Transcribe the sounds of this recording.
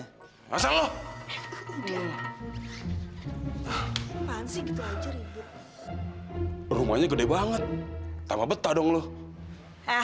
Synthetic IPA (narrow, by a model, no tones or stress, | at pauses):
asaŋlɔh | pansiɡit̪uaɲd͡ʒʊɾibʊt̪̚ | ruma̰ɲakədɛbaŋət̪̚ːamabət̪adɔŋlɔh